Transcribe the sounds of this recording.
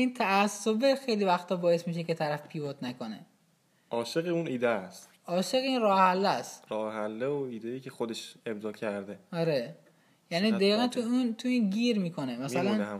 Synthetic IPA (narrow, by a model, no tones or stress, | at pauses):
iːnt̪ʰæːsːobexe̞jlivæxt̪ʰɒːbɒːje̞smiːʃ̬eke̞t̪ʰæɾæfpʰiːvot̪nækonḛ | ʔɒːʃeɣiuniːd̪est̪ | ɒːʃe̞ɣinrɒːhehælːæst̪ɾɒːhehælːeoiːd̪ejiːcʰexod̪eʃe̞bzɒːcʰæɾd̪eɒɾe | jæniːd̪æiːɣænt̪ʰuint̪ʰuiːnɟʲiːɾmiːkʰo̞nemæsælæn